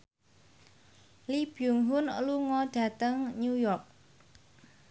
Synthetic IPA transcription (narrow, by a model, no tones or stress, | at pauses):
lib̥juŋɦʊnluŋɔɖ̥ä̤t̪əŋɲujɔrk̚